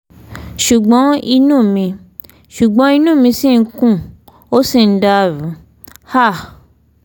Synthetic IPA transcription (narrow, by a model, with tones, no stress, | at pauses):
ʃu˨ɡ͡bɔ̃˨˦i˧nũː˦˨mĩ˧ | ʃu˨ɡ͡bɔ̃˨˦i˧nũ˦˨mĩ˧si˦˨n̩˦kũ˦˨ | o˦si˦˨n̩˦da˧˨ɾũ˨˦ | ha˦˨